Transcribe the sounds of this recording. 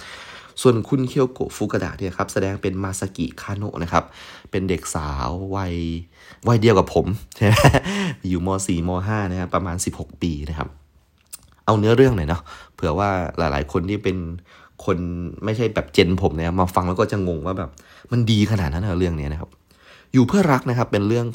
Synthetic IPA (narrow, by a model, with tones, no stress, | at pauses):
su˨˩ənkʰu˧˥˩nkʰi˧˥˩əwko̰˨˩fuː˧˦ka˧da̰ː˨˩k̚ni˥˩˨kʰa˦˥p̚sa˧dɛː˧ŋpe˧nmaː˧˩sa˧kḭ˨˩kʰaː˧˩no̰˧˥ʔnʔa˦˥kʰa˦˥p̚ːe˧nde˨˩k̚saː˨˦wːa˧˩j | wa˧jdi˧əwka˨˩pʰːo˩˦mt͡ɕʰa˥˩wa˧˥˩juː˨˩mɔː˧siː˨˩mɔː˧ɦaː˥˩na˦˥kʰa˦˥pːɾa˧maː˧nsi˨˩p̚ho˨˩k̚piː˧na˦˥kʰa̰˦˥p̚ | ʔa˧wnɯ˦˥ɐɾɯ˥˩əŋna˨˩jnɔ˦˥pʰɯ˩˦ɐwaː˥˩la̰ː˨˦jla̰ː˩˦jkʰo˧nt̪ʰiː˥˩pe˧n | kʰo˧nma˥˩jt͡ɕʰa˥˩jbɛː˨˩p̚t͡ɕe˧npʰo˩˦mna˦˥kʰa˦˥maː˧fa˧ŋlɛː˧˦˥wkɔː˥˩t͡ɕa˨˩ŋo˧ŋwaː˥˩bɛː˨˩p̚ | ma˧ndiː˧kʰa˧naː˨˩t̪̚na˦˥na˧˩ɾɯ˥˩əŋni˦˥ɐna˦˥kʰa̰˦˥p̚ | juː˨˩pʰɯ˥˩ɐɾa˦˥k̚na˦˥kʰa˦˥pːe˧nɾɯ˥˩əŋ